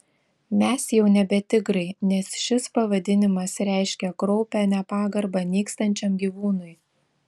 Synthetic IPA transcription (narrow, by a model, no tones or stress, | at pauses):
mʲɛsjɛʊnʲɛbʲɛt̪ʲɪɡɾɐɪnʲɛsʃʲɪspɐʋɐd̪ʲɪnʲɪmɐsɾʲæˑɪʃʲkʲɛkɾɔʊpʲæːnʲɛpɑːɡɐɾbɐnʲiːkst̪ɐnʲt͡ʃʲɛmɡʲiːʋuːnʊj